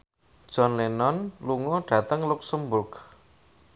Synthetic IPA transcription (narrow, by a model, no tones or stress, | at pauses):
d̥ʒ̥ɔnlenɔnluŋɔɖ̥ä̤t̪əŋluksəmbʊrɡ